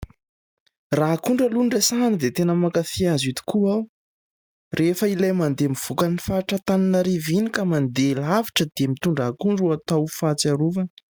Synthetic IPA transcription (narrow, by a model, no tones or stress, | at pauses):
rakuɳɖ͡ʐəlunɖ͡ʐesanəd̪et̪enəmakaθiazit̪i̥kuaw | rʔefəilajmand̪emiv̥ukanifaʈ͡ʂət̪aninaɾivinikəmand̪elavi̥ʈ͡ʂəd̪̥emit̪uɳɖ͡ʐakuɳɖ͡ʐuat̪awfat͡saɾuvə